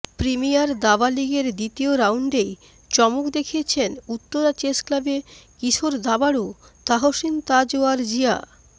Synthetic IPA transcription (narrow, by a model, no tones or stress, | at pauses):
pɾimijaɾd̪abaliɡeɾd̪it̪ioɾawɳɖej | t͡ɕɔmukd̪ekʰiet͡ɕʰenut̪ːoɾat͡ɕesklabekiʃʰoɾd̪abaɽut̪aɦoʃint̪ad͡ʑoaɾd͡ʑia̰